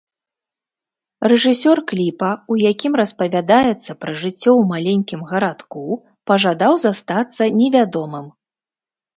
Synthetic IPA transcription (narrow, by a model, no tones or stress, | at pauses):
rɛʐɨsʲɔrklʲipɐujakʲimrɐspɐvʲad̪ajɛt̪sːɐpɾɐʐɨt͡sʲːɔwmalʲenʲkʲimɣɐɾat̪ku | pɐʐad̪awzast̪at̪sːɐnʲɛvʲad̪ɔmɨm